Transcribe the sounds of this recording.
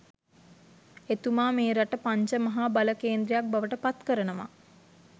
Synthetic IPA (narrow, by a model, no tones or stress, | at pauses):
et̪umaːmeːɾaʈəpaɲt͡ʃəmɐɦaːbaləkeːnd̪ɾejak̚baʋəʈəpat̪kəɾənəʋa̰